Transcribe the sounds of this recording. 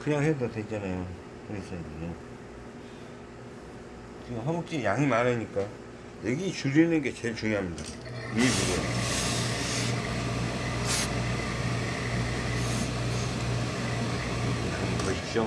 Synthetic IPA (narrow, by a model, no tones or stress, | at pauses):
kɯɲaŋɦedodwet͡ɕ͈anajo | ɯɾis͈ʌiɲine | t͡ɕiɡɦʌmok̚t͡ɕ͈ijaŋimanaɲik͈a | jeɡit͡ɕuɾinɯnɡe̞t͡ɕe̞ɭt͡ɕuŋjoɦamɲidaimimoɾʌjo | ekmkʌɕi̥k̚t͡ɕ͈o